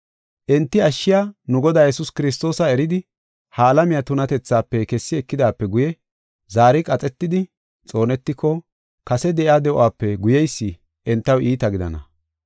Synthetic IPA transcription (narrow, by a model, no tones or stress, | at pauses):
ʔɛnt̪ːɪɐʃːɪjaːnʊɡɔd̪aːjɛsʊskɪɾɪs̬t̪o̞ːsɐɛɾɪd̪ɪ | haːlɐmɪjat̪ʊnɐt̪ɛt͡sːaːpːɛkɛsːɪɛkːɪd̪aːpːɛɡʊjɛ | zaːɾɪkʼɐt͡sʼɛt̪ːɪd̪ɪ | t͡sʼo̞ːnɛt̪ːɪkːɔ | kɐsɛd̪ɛʔɪaːd̪ɛʔʊaːpːɛɡʊjɛjsːɪ | ʔɛnt̪ːɐwʔiːt̪ɐɡɪd̪ɐ̰nɐ̰